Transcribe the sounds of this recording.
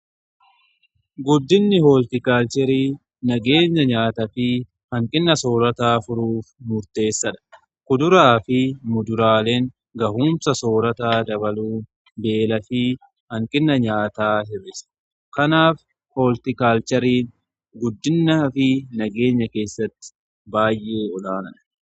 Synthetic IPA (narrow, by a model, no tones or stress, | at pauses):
ɡʊd̪ːɪnːɪhoːlt̪ɪkaːlt͡ʃɛɾiː | nɐɡe̞ːɲːɐɲaːt̪ɐfɪ | hɐŋkʼɪnːɐso̞ːɾɐt̪aːfʊɾuːfmʊɾt̪e̞ːsːɐᶑɐ̥ | kʊd̪ʊɾaːfɪmʊd̪ʊɾaːleːŋ | ɡɐhuːmsɐso̞ːɾɐt̪aːd̪ɐbɐluː | be̞ːlɐfɪ | hɐŋkʼɪnːɐɲaːt̪aːɦɪrːɪsɐ̥ | kɐnaːf | hoːlt̪ɪkaːlt͡ʃɐɾiːn | ɡʊd̪ːɪnːɐfɪnɐɡe̞ːɲːɐke̞ːsːɐt̪ːɪ̥ | baːjʔe̞ːɔlaːnɐᶑɐ̥